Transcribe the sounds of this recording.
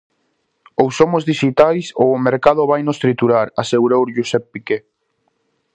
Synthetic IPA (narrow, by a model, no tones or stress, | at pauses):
owsomʊzðiʃit̪ajsoːmeɾkað̞ʊβajnost̪ɾit̪uɾaɾaseɣuɾowɾʎusɛppike